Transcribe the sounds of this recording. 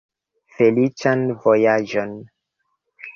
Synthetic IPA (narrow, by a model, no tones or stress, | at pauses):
felit͡ʃanvojad͡ʒon